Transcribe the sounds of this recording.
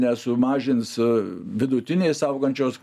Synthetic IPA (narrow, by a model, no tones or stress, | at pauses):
nʲɛsʊmɑːʒʲɪnsʋʲɪd̪ʊt̪ʲɪnʲeːssɐʊɡɐnʲt͡ʃʲoːs